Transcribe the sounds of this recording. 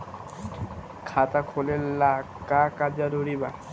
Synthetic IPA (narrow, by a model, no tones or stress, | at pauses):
kʰat̪akʰolelakakad͡ʑaɾoɾiba